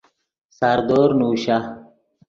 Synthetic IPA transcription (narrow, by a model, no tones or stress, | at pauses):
saːɾd̪oːɾnuːɕa